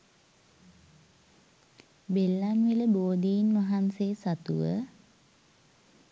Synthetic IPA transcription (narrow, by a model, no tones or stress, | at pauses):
belːamʋiləboːd̪iinʋaɦansesat̪ṵʋə̰